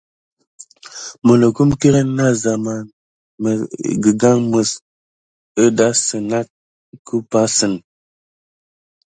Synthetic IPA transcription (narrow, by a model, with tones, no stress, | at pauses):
mə˨nə˨ku˦mke˦ɾə˦na˦za˨ma˨ | mə˨ɡə˨ɡa˦ŋmə˨s | ə˦da˦sɨ˨na˦t̚ | kʰu˦pa˦sɨ˨n